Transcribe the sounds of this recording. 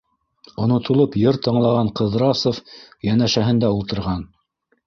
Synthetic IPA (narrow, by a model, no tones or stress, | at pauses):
ŏnŏt̪ŏlˠopjɤɾt̪ɤ̆ɴlˠɑʁɑɴqɤ̆ðɾɑsŏfjænæʃæɦɘ̆nd̪æulˠt̪ɤ̆ɾʁɑn